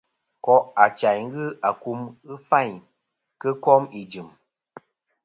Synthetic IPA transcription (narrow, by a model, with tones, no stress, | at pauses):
kɔ˦ʔa˨t͡ʃa˨jŋ˦ɣɨ˦ʔa˨ku˧mɣɨ˦fa˦˨ɲ | kə˦kɔ˦mi˨d͡ʒɨ˨m